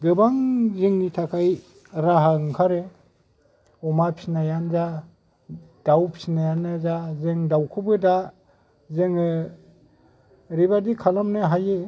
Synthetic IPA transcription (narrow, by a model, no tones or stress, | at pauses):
ɡɯbaŋzɯŋnitʰakʰaj | ɾaɦaŋkʰaɾe | ɔmapʰisnajanza | d̥awpʰi̥snajanɯzazeŋdawkʰɯbɯda | zeŋɯ | ɾibadikʰalamnɯɦaje